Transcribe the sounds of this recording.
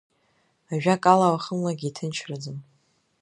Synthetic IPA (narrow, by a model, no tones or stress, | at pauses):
aʒᶣakʼalawaχəmlaɡʲitʰɨnt͡ʃʰrad͡zɨn